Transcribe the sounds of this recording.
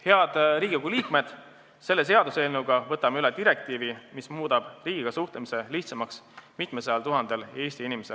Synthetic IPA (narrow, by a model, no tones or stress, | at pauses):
he̞ɑd̪̥riːɡiikuliːkme̞d̪̥ | se̞lːe̞s̬e̞ɑd̪use̞ːlnuɡɑvɤt̪ːˑɑmeylɛd̪̥iɾe̞k̚t̪iːvimismuːd̪ɑb̥riːɡiɡ̥ɑsuht̪lemise̞liht̪sɑmɑksmit̪ˑmeseɑlt̪uɦɑnd̪̥e̞lje̞ːsʲt̪iinimese